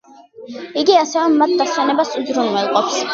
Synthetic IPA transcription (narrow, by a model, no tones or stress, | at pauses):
iɡiasɛvɛmːat̪̚ʰd̪asɛnɛbasuzɾunwɛlˠqʼɔps